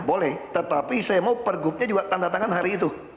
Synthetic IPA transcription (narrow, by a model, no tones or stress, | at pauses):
bolɛht̪ət̪apisajamaupərɡʊp̚ɲad͡ʒuɡat̪andat̪aŋanɦaɾiːt̪u